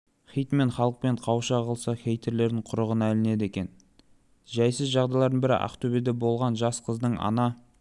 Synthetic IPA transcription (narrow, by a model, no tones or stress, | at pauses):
χʲijt̪me̞ɴχɑlˠəq̚pe̞ɴqʰɑwʃɑʁəlˠsɑxʲejt̪ʰe̞ɾle̞ɾd̪ɪɴqʰʊɾəʁənælɪne̞d̪e̞kʲe̞n | ʒæjsɪzʒɑʁd̪ɑjlˠɑɾd̪ənbɪɾɪ̰ʔɑ̰qt̪ʰɵbed̪ebo̞lˠʁɑnʒɑsqʰəzd̪əɴɑ̰nɑ